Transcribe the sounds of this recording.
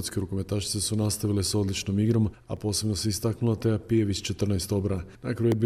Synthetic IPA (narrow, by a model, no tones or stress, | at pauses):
t̪skeɾukomet̪aʃi̥t̪sesunast̪aʋileso̞d̪lˠit͡ʃno̞miɡɾo̞m | a̰po̞ːse̞bnoseist̪aknulat̪ejapieʋist͡ʃe̞t̪r̩najst̪o̞bɾanakɾajuebi